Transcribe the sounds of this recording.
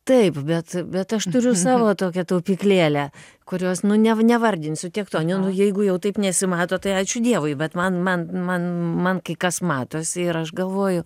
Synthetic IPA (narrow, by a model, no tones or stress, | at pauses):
t̪ɐɪpbʲɛt̪bʲɛt̪ɐʃt̪ʊɾʲʊsɑːʋoːt̪oːkʲɛt̪ɐʊpʲiklʲeːlʲɛ | kʊɾʲoːsnʊnʲɛnʲɛʋɐrʲd̪ʲɪnʲsʲʊt̪ʲiɛkt̪oːnʲɪnʊjɛɪɡʊjɛʊt̪ɐɪpnʲɛsʲɪmɑːt̪oːt̪ɐɪɑːt͡ʃʲʊd̪ʲiɛʋʊɪbʲɛt̪mɐnmɐnmɐnmɐnkɐɪkɐsmɑːt̪oːsʲɪɪɾɐʃɡɐlˠʋoːjʊ